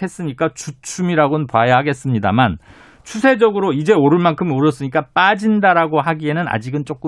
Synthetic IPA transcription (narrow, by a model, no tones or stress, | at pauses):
e̞s͈ɯɲik͈at͡ɕut͡ɕʰumiɾaɡonpoajaɦaɡe̞s͈ɯmɲida̰man | t͡ɕʰusʰe̞d͡ʑʌɡɯɾoid͡ʑe̞oɾɯɭmankʰɯmoɾjʌs͈ɯɲik͈ap͈ad͡ʑindaɾaɡoɦaɡie̞nɯna̰d͡ʑiɡɯnt͡ɕ͈ok͈ɯ